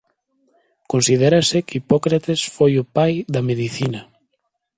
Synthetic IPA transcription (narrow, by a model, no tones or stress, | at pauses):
konsiðɛɾasɪkipɔkɾat̪esfojʊpajðɐmeðiθinɐ